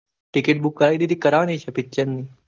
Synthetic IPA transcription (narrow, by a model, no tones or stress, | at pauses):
ʈɪkeʈ̚bukːəɾajd̪id̪ikəɾaːnet͡ʃʰepitːt͡ɕːənːi